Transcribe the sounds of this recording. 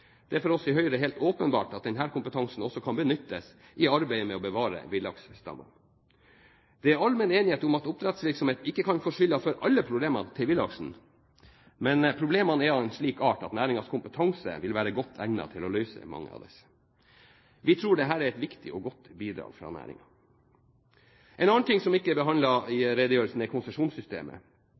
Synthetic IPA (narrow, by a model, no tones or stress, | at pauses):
d̪̥ɛæɾfɔɾɔsɪɦœʏɾəɦeːlt̪oːpənbɑ̰ːʈɑt̪̚d̪ɛnɦæːɾkʰʊmpət̪ʰɑŋsn̩ɔsːɔkʰɑnbənʏt̪ːəs | ʔɪɑɾbæɪəmɛɔbəʋɑːɾə̰ʋɪlːɑɡsst̪ɑ̰mːɑ̰n | d̪̥ɛæɾɑlmɛneːnɪheːt̪ʊmɑt̪ʊp̚t̪ɾɛt̪sʋɪɾksɔmheːt̪̩ɪkːəkʰɑnfɔʂʏlːɑfɔɾʔɑlːəpʰɾʊbleːmɑnt̪ʰɪlʋɪlɑɡʂn̩ | mɛnpʰɾʊbleːmɑnɛɾɑɛɪnʂɭiːkɑːʈɑt̪næːɾɪŋɑskʰʊmpət̪ʰɑŋsə̰ʋɪlʋæːɾəɡɔt̪ʰːæŋnɑ̰t̪ʰɪlɔlœʏsə̰mɑ̰ŋːə̰ɑ̰ʋd̪ɛ̰s | ʋɪt̪ʰɾuːɖɛɦæːɾæɾɛt̪ʋɪkt̪ɪʔɔɡɔt̪ːbiːd̪ɾɑ̰ːɡ̥fɾɑ̰ːnæ̰ːɾɪ̰ŋɑ | ʔɛnɑnt̪ɪŋsɔmɪkːəbəɦɑnɑɪɾed̪əjøːɾəlsn̩ɛɪkʰʊnsəʂuːnsʏst̪ḛːmə̰